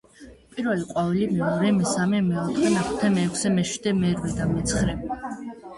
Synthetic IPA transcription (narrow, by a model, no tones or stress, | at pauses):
pʼiɾvɛliqʼwavɛlimɛɔɾɛmɛsamɛmɛɔt̪ʼχɛnaχt̪ʰɛmɛːkʰʷsɛmɛʃwid̪ɛmɛɾvɛd̪amɛt̪sʰχɾɛ